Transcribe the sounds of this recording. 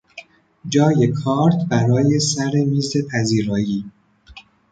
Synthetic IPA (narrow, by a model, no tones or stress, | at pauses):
d͡ʒɒːje̞kʰɒːɾt̪ʰbæɾɒːje̞sæɾe̞miːze̞pʰæziːɾɒːjiː